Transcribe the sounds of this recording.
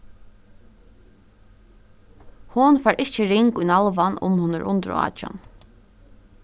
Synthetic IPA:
hʊnfɛːɾʔɪht͡ʃəɾɪŋkujnalʋanʔʊ̰mhʊnəɾʔʊ̰nt̪ɾɑ̰ːt͡ʃa̰n

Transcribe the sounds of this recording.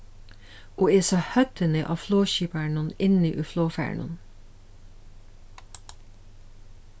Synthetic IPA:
ʔoːeːsɑhœt̪ənəʔɑ̰ːfloːɕiːpæɳənɪnəʔyːfloːfæ̰ɹɳə̰n

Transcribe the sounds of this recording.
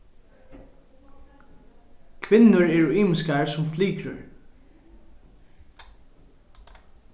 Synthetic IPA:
kʰʋɪnːəɹɛɹiːmɪskaɹsʊmfliːkɾəɹ

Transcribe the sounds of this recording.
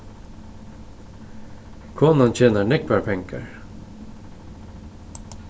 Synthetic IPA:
kʰoːnɑnc͡çeːnəɳɛk̚bæɹpʰɛŋkə̰ɹ

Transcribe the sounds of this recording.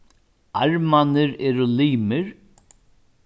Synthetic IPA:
aɹmanɪɾɛːɾʊliːmɪɾ

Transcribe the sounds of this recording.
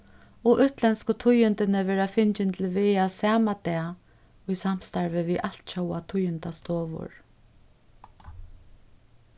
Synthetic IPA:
ɔʔʏht̪lɛnskət̪ʰʊjʏnt̪ɪnɪvɛːɾafɪnt͡ʃɪnt̪ʰɪlvɪːjasaːmat̪ɛː | ʊjsam̥st̪aɹvɪviʔal̥t̪t͡ʃowat̪ʰʊjʏnt̪ast̪ɔːvʊ̰ɹ

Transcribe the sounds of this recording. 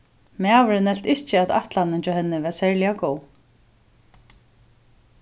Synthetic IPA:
mavəɾɪnɛl̥t̪ɪht͡ɕɪat̪a̰ht̪lanɪɲt͡ʃahɛnːɪvɛsɛɹljakoːw

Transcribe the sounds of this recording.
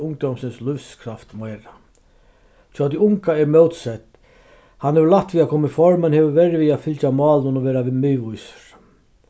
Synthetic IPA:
ʊŋkt̪ɔwmsɪnslʏfskʰɾaft̪mɛːɾa | t̪ʰɔat̪iʊŋkaɛɾmœwt̪sɛt̪ | hanhɛvəlaht̪vʋiakʰɔmɪfɔɾmɛnhɛːvəvɛɾviafɪlt͡ʃamɑːlnʊnɔʋɛːɾaʋiðmʏːvujsə̥ɾ̥

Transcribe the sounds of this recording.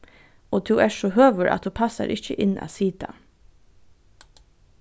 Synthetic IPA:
oːd̪ʰʉːæːʃohøːʋəɾʔɑ̰t̪̚d̪ʉːpʰɑsɑ̰ɾʔɪçəʔɪnɑ̰ːsiːd̪̥ɑ̰

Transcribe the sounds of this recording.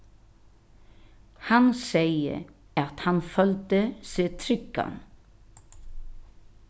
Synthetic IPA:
hɑnseɪə̰ | ɑt̪hɑnfœlt̪əseːt̪ʰɾʏkːɑ̰n

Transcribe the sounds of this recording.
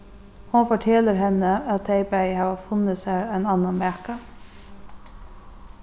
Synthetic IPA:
hʊnfɔʈʰeːləɾɦɛnəɑt̪̚d̪eɪbæɪhɑːʋəfʊnəsæːɹæɪnɑnɑnmæːkə

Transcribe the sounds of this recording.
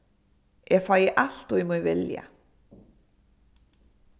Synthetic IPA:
jʔɛɣfaːjɪʔal̥t̪ɔjɛmɔjvɪlja̰

